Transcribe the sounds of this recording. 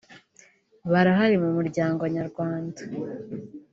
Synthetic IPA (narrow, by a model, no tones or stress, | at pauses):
βaɾaɦaɾimumuɾɟaːŋɡo̞ɲaɾɡwaːndḁ